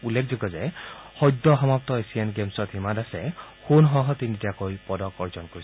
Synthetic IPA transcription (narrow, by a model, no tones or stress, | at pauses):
ulːekʰziɡɔzɛhɔjdɔɦɔmap̚tɔesienɡemsɔt̪himadasɛxunɦɔɦɔt̪inditakojpɔdɔkɔɹzɔnkoɹis